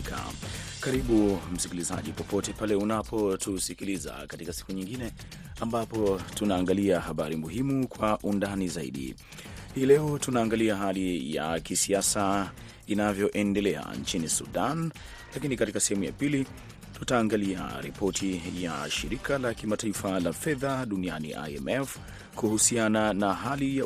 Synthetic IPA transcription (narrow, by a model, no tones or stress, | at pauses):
ka̰kaɾiɓum̩sikiliza̰ʄipɔpɔtɛpalɛunapɔtʰusikiliza̰katikasi̥kuɲiŋɡinɛ | ambapɔtunaːŋɡaliahaɓaɾimuɦimukwaʔundanizaḭɗḭ | hiːlɛɔtunaːŋɡaliaɦalija̰kisiasa | inavjɔʔɛndɛlɛa̰nt͡ʃinisuɗan | lakinikatikasɛhɛmuja̰pili | tutaːŋɡalia̰ɾipɔtʰija̰ʃiɾikalakimataifalafɛðaɗunianḭʔa̰ɛmɛf | kuhusiananaɦalija